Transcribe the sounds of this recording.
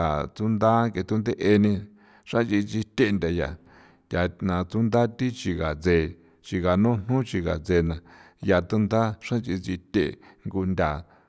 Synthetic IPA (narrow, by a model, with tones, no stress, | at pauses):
a˨t͡su˦nd̪a˦ke˧t̪u˦nd̪e˦ʔe˧nĩ˧ | ʂã˦nt͡ʃi˧t͡si˧t̪ʲe˧˨˧nd̪ʲa˧ja̰˨ | jʲa˨nã˨t͡su˦nd̪a˦t̪i˦t͡ʃi˧ɣa˨t͡se˧˨ | t͡ʃi˧ɣa˨nũ˦n̥ũ˦t͡ʃi˧ɣa̰˨t͡se˧nã˨ | ja˧t̪u˦nd̪a˦ʂã˦nt͡ʃi˧t͡si˧t̪ʲḛ˧˨ŋɡu˧nd̪ʲa˨